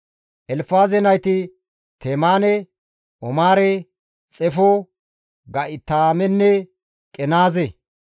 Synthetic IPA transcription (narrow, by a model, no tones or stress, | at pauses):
ʔɛlfaːzɛnɐjt̪ɪ | t̪ʰemaːnɛ | ʔɔmaːɾɛ | t͡sʼɛfo | ɡɐʔɪt̪aːmɛnːɛ | kʼɛnaːze